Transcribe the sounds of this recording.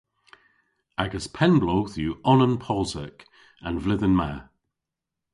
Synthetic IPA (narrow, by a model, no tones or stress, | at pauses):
aɡəspʰɛ̃nbloʊθjʉːʔɔnə̃npʰɔlˠzə̰k | ə̃nvlɪðənma̰